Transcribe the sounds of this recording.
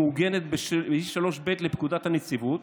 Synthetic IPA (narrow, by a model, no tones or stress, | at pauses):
uɡe̞net̪̚beiʃʃalo̞ʃbet̪lepkud̪at̪hanet͡sivut̪